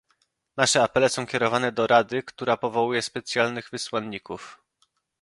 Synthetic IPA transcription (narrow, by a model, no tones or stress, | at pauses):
naʂɛapɛlɛsɔ̃w̃kʲɛɾɔvanɛd̪ɔɾad̪ɘkt̪uɾapɔvɔwujɛspɛt̪sʲjalnɘɣvɘswanːikuf